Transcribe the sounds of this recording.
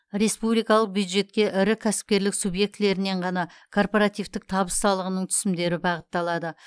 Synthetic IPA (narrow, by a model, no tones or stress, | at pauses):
ɾe̞spublijkɑlˠəq̚bjud̪ʒe̞t̪kʲe̞ʔɪɾɪkʲʰæsɪ̥p̚kʲe̞ɾlɪksubje̞k̚t̪le̞ɾɪne̞ɴʁɑnɑ | kʰo̞rpo̞ɾat̪ijft̪ɪk̚t̪ʰɑbəsːɑlˠəʁənəɴt̪ʰʏ̥sɪmd̪e̞ɾɪbɑʁət̪ːɑlˠɑd̪ə